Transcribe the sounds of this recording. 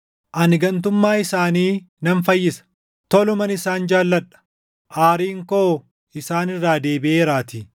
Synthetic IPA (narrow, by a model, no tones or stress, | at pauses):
ʔɐnɪɡɐnt̪ʊmːaːɪsaːniː | nɐnfɐjːɪsɐ̥ | t̪ɔlʊmɐnɪsaːnd͡ʒaːlːɐᶑɐ̥ | ʔaːɾiːŋkoː | ɪsaːnɪrːaːd̪e̞ːbɪʔeːɾaːt̪i